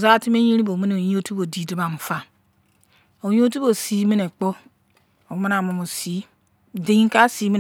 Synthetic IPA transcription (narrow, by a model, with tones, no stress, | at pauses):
za˦ti˦me˦ɲi˦ɾi˦bo˨mi˦ne˨o˨i˦o˦tu˦bo˨di˨di˦ba˨m˨fa˦ | o˨jo˦tu˦bo˨si˦mi˦ne˨k͡po˦ | o˨˦ma˦na˨mu˨mo˨si˨˦ | di˨˦i˦ka˦si˦mi˦